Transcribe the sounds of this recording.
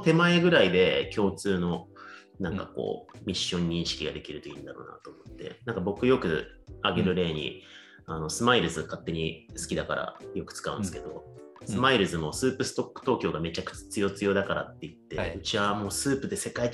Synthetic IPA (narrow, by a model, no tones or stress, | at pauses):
t̪e̞mae̞ɡɯ̟ɾaid̪e̞kʲo̞ːt͡sɨːno̞ | nãŋkako̰ːmʲiɕːõ̞ɲ̟ːĩɰ̃ɕi̥kʲiɡad̪e̞kʲiɾɯ̟t̪o̞ḭ̃ːnd̪aɾo̞̰ːna̰t̪oːmo̞t̪ːe̞̰nãŋkabo̞kɯ̟jo̞kɯ̟ | aɡe̞ɾɯ̟ɾe̞ːɲ̟ḭ | ano̞sɨmaiɾɯ̟zɨɡakat̪ːe̞ɲ̟isɨ̥kʲid̪akaɾa̰jo̞kɯ̟̥t͡sɨ̥kaɯ̟̃nd̪sɨ̥ke̞d̪o̞sɨmaiɾɯ̟zɨmo̞sɨːpɯ̟sɨ̥t̪o̞kːɯ̟̥t̪o̞ːkʲo̞ːɡame̞t͡ɕakɯ̟̥t͡ɕḁt͡sɨjo̞t͡sɨjo̞ːd̪akaɾa̰t̪ːe̞jɯ̟t̪ːe̞ɯt͡ɕiβamo̞ːsɨːpɯ̟d̪e̞se̞kai